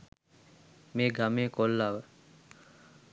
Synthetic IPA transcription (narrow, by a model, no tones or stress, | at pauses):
meːɡameːkolːaʋə